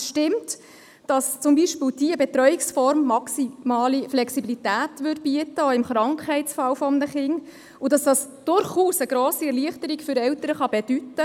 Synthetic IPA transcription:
ʃtɪmt | d̥ɑst͡sʊmbiʃpɪld̥iəbɛt̪ɾœjiksfɔɾmːɑksimɑːliflɛksibilitæːtʋʏd̚b̥iətːəɔɪmχɾɑŋkʰhɛɪtsfɑwfɔmnəχɪŋ | udɑsd̥ɑsd̥ʊɾχuːsəɡ̥ɾɔːsiɛɾliəχtəɾikfʏɾɛwtəɾəχɑbɛd̥ytːə

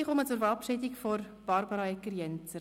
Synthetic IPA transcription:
iχɔmət͡sʊɾfəɾɑpʃɪdikfɔɾ | b̥ɑɾbɑɾɑɛkːəɾjɛnt͡sə

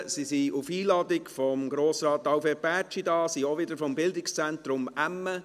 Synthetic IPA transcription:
sisiufiːlɑd̪ɪkfɔmɡɾoːsɾɑːt̪ːɑwfepæːɾt͡ʃidɑːsioʋɪdəɾfɔmbɪldɪkst͡sɛntɾʊmæmːə

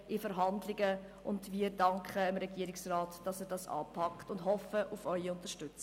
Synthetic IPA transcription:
ɪfəɾɦɑndlɪɡə | ʔʊ̰ndviːəɾdɑŋkχəɪmɾɛɡ̥iːəɾɪksraːtd̥ɑsɛːɾdɑsɑ̰ːpʰɑktʊndɦɔfəʔufœʏiʊntəɾʃtʏt͡s

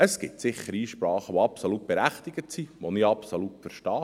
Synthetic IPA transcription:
əsɡ̥ɪtsɪχːəɾiːʃpɾɑːχəʋoɑpsolut̚b̥ɛɾæχt̪ɪɡ̥ətsiʋonɪɑpsolutfəɾʃtɑː

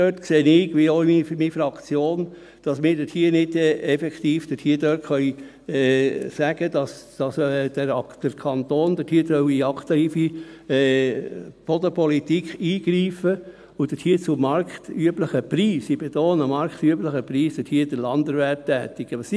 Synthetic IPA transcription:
øtkseːnɪːɡʋioimimifɾɑkt͡sjoːn | d̥ɑsmɪːɾd̥əthiːənɪd̥ɛɛfɛkt̪iːfd̥əthiːədøːtχœj | ɛsæɡ̥əd̥̪ɑsd̥ɑsd̥əd̥əɾkʰɑnt̪oːnd̥̪əthiːtœwiɑkt̪iːfi | pɔd̪əpɔlit̪ikχiːɡ̥ɾiːfə | ʊd̥̪əthiːt͡sʊmɑɾkt̪yəbləχəpɾiːsib̥et̪oːnəmɑɾkt̪yəbləχəpɾiːsd̥ətʰhiːd̥̪əlɑnd̪əɾʋɛp̚tæːt̪iɡ̥əɑs

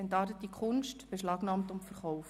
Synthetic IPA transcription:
ɛntɑːɾtətːikʰχʊnʃtb̥eʃlɑːɡnɑːmtʊmtfəɾχɔwf

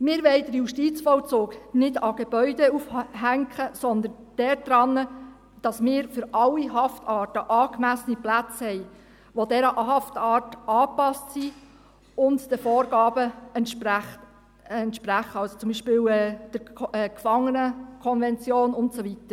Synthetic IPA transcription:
mɪːɾʋɛɪdəɾjuʃtit͡sfɔwt͡soːɡnɪdɑɡ̥eb̥œʏdɛufhæŋkχəsɔnd̪ən | d̥ɛɾd̥ɾɑnːə | d̥ɑsmɪːɾfʏɾɑlːiɦɑftɑːtəʔɑːkmæsəniplæt͡shɛj | ʋodɛɾəʔɦɑftɑːtɑːpɑstsi | ʊntd̥əfɔːɾɡ̥ɑːbəɛn | ɛntʃpɾæχəɑlsot͡sʊmbiːʃpɪːwɛːd̥əɾɛkfɑŋːənəkʰɔnvɛnt͡sjoːnʊntsovitəɾ

